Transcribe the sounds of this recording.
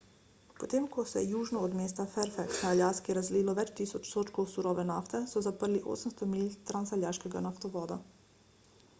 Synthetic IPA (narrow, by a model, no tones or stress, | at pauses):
pot̪eːmkɔsɛɛjuːʒnɔːd̪meːst̪afɛɾfɛksnaːljaːskiɾazliːlɔʋɛt͡ʃt̪iːsɔt͡ʃsoːt͡ʃkowsuɾɔːʋɛnaːft̪ɛsɔzapəɾliʔo̰ːsəmst̪ɔmiːlʲt̪ɾansaljaʃkɛɡa̰naft̪ɔʋɔːd̪a